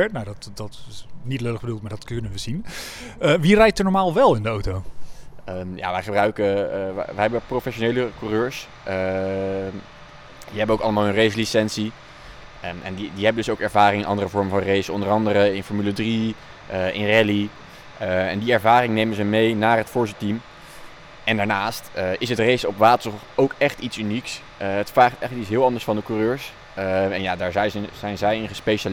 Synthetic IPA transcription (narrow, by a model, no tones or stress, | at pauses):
ɛɹtnawdɑtdɑtɪsnitløləχbədulˠt̚maːɹdɑtkɵnənʋəzin | əʋirɛjtəɹnɔɹmaːlˠʋɛlˠɪndəowtow | əja̰ːʋɛjχəbrœɥkə̰ʋəɦɛbəprowfɛʃonejləkurøːɹs | ʔ | diɦɛbənowkɑləmaːlˠɦənrejslisɛnsi | ʔɛ̰ndidiɦɛbəndɵsowkɛɹvaːrɪŋɪnʔɑndərəvɔɹmvɑnrejsɔndərɑndəɾəɪnfɔɹmylədri | ʔɪnrɛli | ɛ̰ndiɛɹvaːrɪŋnejmənzəmejnaːɹɦətfʊɹsətim | ɛndaːɹnaːstɪsətrejsɔpʋaːtəɹsχowkɛχtitsyniks | ətfraːχtɛχləkitsɦɪːlˠɑndəɹsfɑndəkuːrøːɹs | ɛnjaːdaːɹzɛjəz̥ɛjnzɛjɪnχəspeʃal